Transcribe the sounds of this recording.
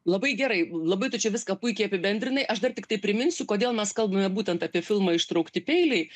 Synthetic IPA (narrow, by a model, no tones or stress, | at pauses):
lˠɐbɐɪɡʲæɾɐɪlˠɐbɐɪt̪ʊt͡ʃʲɛʋʲɪskɐpʊɪkʲɛɪɐpʲɪbʲɛnʲd̪ʲɾʲɪnɐɪʔɐʃd̪ɐrt̪ʲɪkt̪ɐɪpʲɾʲɪmʲɪnʲsʲʊkoːd̪ʲeːlˠmʲɛskɐlˠbɐmʲɛbuːt̪ʲɛnt̪ɐːpʲiɛfʲɪlˠmɐːɪʃt̪ɾɐʊkt̪ʲɪpʲɛɪlʲɛɪ